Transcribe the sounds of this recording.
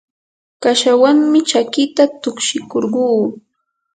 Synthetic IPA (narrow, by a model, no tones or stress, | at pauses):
kaʃawaŋmɪt͡ʃakɪt̪at̪ʊkʃɪkoɾɢuː